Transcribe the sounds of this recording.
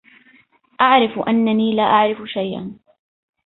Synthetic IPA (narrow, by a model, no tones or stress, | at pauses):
ʔaʕɾɪfʔanːaniːlaːʔaʕɾɪfʊʃajʔa̰n